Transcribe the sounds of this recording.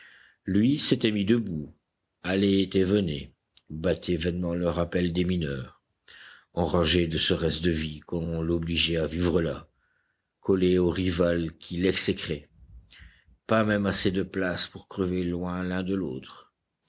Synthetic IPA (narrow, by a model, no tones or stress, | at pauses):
lɥiset̪ɛmid̪əbu | alet̪evəne | bat̪ʰevɛnmɑ̃lœʁapɛld̪eminœːʁ | ɑ̃ʁɑ̃ʒed̪əsəʁɛst̪d̪əvikɔmɔ̃lɔbliʒɛavivʁəla | kɔleoʁivalkʲʰilɛksɛkχɛ | pamɛmased̪əplaspuʁkχəvelwɛ̃lɛ̃d̪əlo̰ːt̪χ